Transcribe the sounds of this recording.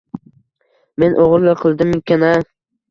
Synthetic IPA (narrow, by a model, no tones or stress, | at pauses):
me̞nʔoʁɾlaqʰɨlˠd̪ɪmɪkʲʰana